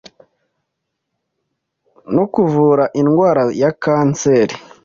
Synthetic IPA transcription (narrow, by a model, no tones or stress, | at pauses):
nokuvuːɾaʔinɡwaːɾajakaːnt͡seɾi